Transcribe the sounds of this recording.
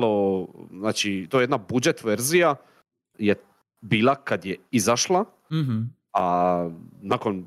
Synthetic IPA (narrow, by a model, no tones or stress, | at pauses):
loznaːt͡ʃit̪ojjed̪nabud͡ʒe̞t̪ʋeɾzija | je | biːlˠakad̪jeizaʃlˠa | a | naːko̞n